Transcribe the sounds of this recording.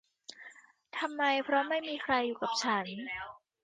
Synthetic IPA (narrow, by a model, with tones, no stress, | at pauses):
t̪ʰa˧mːa˧jpʰɾɔ˦˥ma˥˩jmiː˧kʰɾa˧jːuː˨˩ka˨˩p̚t͡ɕʰa˦˥n